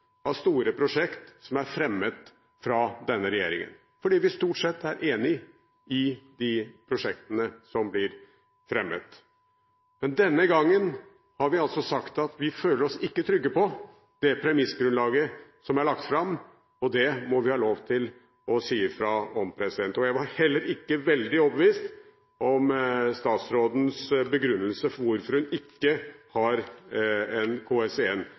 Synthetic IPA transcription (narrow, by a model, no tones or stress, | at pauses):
ɑst̪uːɾəpʰɾʊʂɛkt̪sɔmæɾfɾɛmːət̪ | fɾɑd̪ɛnːəɾɛjeːɾɪ̰ŋə̰n | fɔɖiːʋɪst̪uːʈsɛt̪ːæɾʔeːnɪ | ɪd̪ɪpʰɾʊʂɛk̚t̪ənəsɔmblɪɾ | fɾɛmːə̰t̪ | mɛnd̪ɛnːəɡɑŋːən | hɑɾʋɪɑlsɔsɑkt̪ɑt̪ʋɪføːləɾɔsɪkːət̪ʰɾʏɡːəpɔ | d̪̥ɛpʰɾɛmɪsːɡɾʉnlɑːɡəsɔmæɾɭɑk̚t̪fɾɑm | ɔd̪ɛmɔʋɪhɑːloːʋt̪ʰɪl | ɔsiːəfɾɑɔmpʰɾɛsɪd̪ɛnt̪əɔjæɪʋɑɾhɛlːəɾɪkːəʋɛld̪ɪɔbəʋiːst̪ | ʔɔmst̪ɑːt̪sɾoːd̪n̩sbəɡɾʉnːəlsəfɔɾʋʊɾfɔɾhʉnɪkːəhɑɾ | ɛnkʰoːɛsɛɛnː